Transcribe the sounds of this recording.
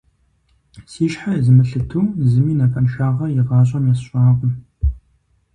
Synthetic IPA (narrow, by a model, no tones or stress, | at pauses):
siːʃħazɨmɨɬɨtʰuːzɨmiːnɐkʼɐnʃaːʁɐjɪʁɑːɕ̬ʼɐmjɛsɕʷʼɑːʁʷʊ